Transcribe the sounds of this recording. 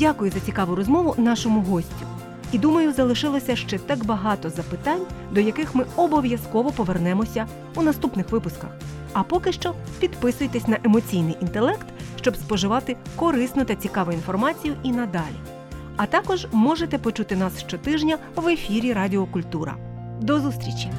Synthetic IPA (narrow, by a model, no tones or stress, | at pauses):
dʲakʊjʊzɐt͡sʲikɑʋʊɾɔzmɔʋʊnɑʃɔmʊɦɔsʲtʲʊ | id̪umɐjʊzɐlˠɪʃɪlˠɔsʲɐʃt͡ʃɛt̪ɑkbɐɦɑt̪ɔzɐpɪt̪ɑnʲd̪ɔjɐkɪxmɪɔbɔʋʲjɐskɔʋɔpɔʋernɛmɔsʲɐ | unɐst̪upnɪxʋɪpʊskɐx | ɐpɔkɪʃt͡ʃɔ | pʲid̪pɪsʊjet̪esʲnɐʔemɔt͡sʲijnɪjʔint̪elˠɛkt̪ʃt͡ʃɔbspɔʒɪʋɑt̪ɪkɔɾɪsnʊt̪ɐt͡sʲikɑʋʊinfɔrmɑt͡sʲijʊʔinɐd̪ɑlʲḭ | ɐt̪ɑkɔʒmɔʒet̪ɛpɔt͡ʃut̪ɪnɑsʃt͡ʃɔt̪ɪʒnʲɐ | ʋe̞fʲiɾʲiɾɑdʲiɔkʊlʲt̪uɾɐ̰ | d̪ɔzust̪ɾʲit͡ʃʲi